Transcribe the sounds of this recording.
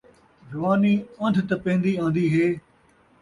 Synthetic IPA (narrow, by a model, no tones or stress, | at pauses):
ɾɐʋaːniːə̃nd̪ʱt̪ɐpẽːnd̪iːãːnd̪iːɦeː